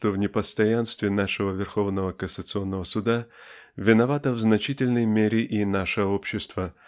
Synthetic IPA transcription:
ʂt̪ovnʲɪpəst̪ɐjanst̪vʲɪnaʂɨvəvʲɪrxo̞vnəvəkəsət̪sɨo̞nːəvəsʊd̪avʲɪnɐvat̪əvznɐt͡ɕitʲɪlʲnəjmʲeɾʲɪʔinaʂɨo̞pɕːɪst̪və

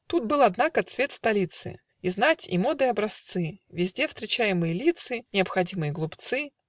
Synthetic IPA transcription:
t̪ut̪̚bɨlˠɐd̪nakəɐt̪svʲe̞t̪st̪ɐlʲit̪sɨ̰ | iznatʲḭmo̞d̪ɨjɐbɾɐst̪sɨvʲɪzʲdʲe̞fst̪ɾʲɪt͡ɕæjɪmɨjəlʲit̪sɨnʲɪəpxɐdʲimɨjəɡlˠʊpt̪sɨ

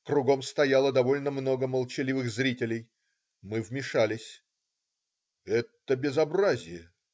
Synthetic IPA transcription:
kɾʊɡo̞mst̪ɐjalˠəd̪ɐvo̞lʲnəmno̞ɡəməlˠt͡ɕɪlʲivɨxzɾʲitʲɪlʲɪj | mɨvmʲɪʂalʲɪsʲ | ɛt̪ːəbʲɪzɐbrazʲɪjə

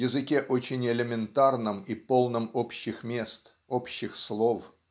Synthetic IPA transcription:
jɪzɨkʲeʔot͡ɕɪnʲɪlʲɪmʲɪnt̪arnɨmipo̞lˠnəmopɕːɪxmʲe̞st̪ | opɕːɪxslˠof

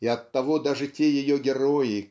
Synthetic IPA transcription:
iɐt̪ːɐvod̪aʐɨtʲejɪjɔɡʲɪɾɔjɪ

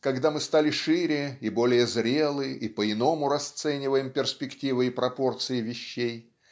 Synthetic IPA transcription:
kɐɡd̪amɨst̪alʲɪʂɨɾʲɪibo̞lʲɪjəzɾʲe̞lˠɨʔipəɪno̞mʊɾɐst̪sɛnʲɪvəjɪmpʲɪrspʲɪktʲivɨɪpɾɐpo̞rt̪sɨjɪvʲɪɕːej

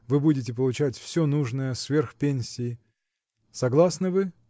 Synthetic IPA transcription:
vɨbudʲɪt̬ʲɪp̬əlˠʊt͡ɕætʲfsʲonuʐnəjəsvʲerxpʲenʲsʲɪː | sɐɡlˠasnɨvɨ

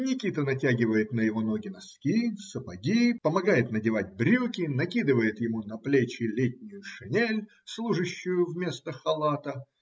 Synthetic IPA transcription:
nʲɪkʲit̪ənɐtʲaɡʲɪvəjɪt̪nəjɪvo̞no̞ɡʲɪnɐskʲisəpɐdʲipəmɐɡajɪt̪nədʲɪvatʲbɾʲukʲɪnɐkʲid̪ɨvəjɪt̪jɪmunɐplʲet͡ɕɪlʲetʲnʲʊjʊʂɨnʲelʲ | slˠuʐɨɕːʊjʊvmʲe̞st̪əxɐlˠat̪ə

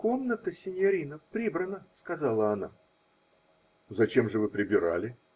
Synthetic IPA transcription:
ko̞mnət̪əsʲɪnʲɪɐɾʲinəpɾʲibɾənəskɐzalˠəɐna̰ | zɐt͡ɕe̞mʐɨvɨpɾʲɪbʲɪɾa̰lʲɪ

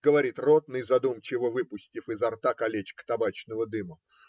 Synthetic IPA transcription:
ɡ̥əvɐɾʲit̪rot̪̚nɨjzɐd̪umt͡ɕɪvəvɨpʊsʲtʲɪfɪzɐrt̪akɐlʲet͡ɕkt̪ɐbat͡ɕnəvəd̪ɨmə

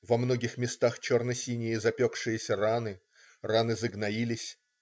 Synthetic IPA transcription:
vɐmno̞ɡʲɪxmʲɪst̪axt͡ɕo̞rnəsʲinʲɪjəzɐpʲokʂɨjəsʲəranɨ | ranɨzəɡnɐilʲɪsʲ

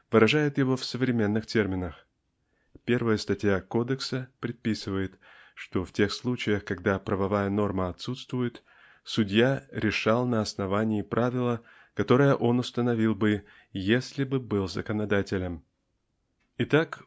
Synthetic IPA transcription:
vɨɾɐʐajɪt̪jɪvo̞fsəvɾʲɪmʲenːɨxtʲe̞rmʲɪnəx | pʲe̞rvəjəst̪ɐtʲjako̞d̪əksəpɾʲɪd̪̚pʲisɨvəjɪt̪ | ʂt̪o̞ftʲe̞xslˠut͡ɕɪjəxkɐɡd̪apɾəvɐvajəno̞rməɐt̪sut̪st̪vʊjɪt̪ | sʊdʲjaɾʲɪʂɑlˠnəɐsnɐvanʲɪːpɾʔavʲɪlˠə | kɐt̪o̞ɾəjəʔo̞nʊst̪ənɐvʲilˠbɨ | jesʲlʲɪbɨbɨlˠzə̰kənɐd̪atʲɪlʲəm | ɪt̪ak

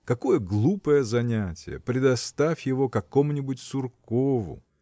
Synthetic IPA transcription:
kɐko̞jəɡlˠupəjəzɐnʲætʲɪ̰jə̰pɾʲɪd̪ɐst̪afʲjɪvo̞kɐko̞mnʲɪbʊtʲsʊrkovʊ̰

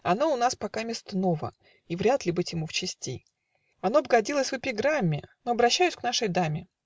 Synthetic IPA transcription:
ɐno̞ʊnaspɐkamʲɪst̪no̞və̰ | ivɾʲat̪lʲɪbɨtʲjɪmuft͡ɕɪsʲtʲij | ɐno̞bɡɐdʲilˠəsʲvɨpʲɪɡɾamʲːɪnoɐbɾɐɕːæjʏsʲknaʂəjd̪amʲɪ

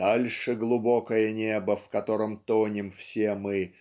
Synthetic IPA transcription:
alʲʂɨɡlˠʊbokəjənʲebəfkɐt̪o̞ɾəmt̪onʲɪmfsʲemɨ

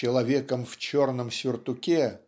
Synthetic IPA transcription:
ɪlˠɐvʲekəmft͡ɕo̞rnəmsʲɪrt̪ʊkʲe

